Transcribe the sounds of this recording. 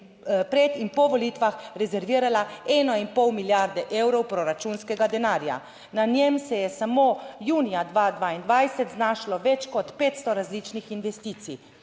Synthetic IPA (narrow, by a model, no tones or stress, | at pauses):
pɾɛt̪inpɔʋɔliːt̪ʋaxɾɛzɛɾʋiːɾalaɛːnɔinpɔwmiljaɾd̪ɛʔewɾɔwpɾoɾat͡ʃunskɛɡad̪ɛnaːɾja̰ | nanjemsɛjɛsamoːjuːnijad̪ʋaːd̪ʋaːind̪ʋajsɛt̪znaːʃlɔʋɛt͡ʃkɔt̪peːt̪st̪ɔɾazliːt͡ʃnixinʋɛst̪iːt̪sḭ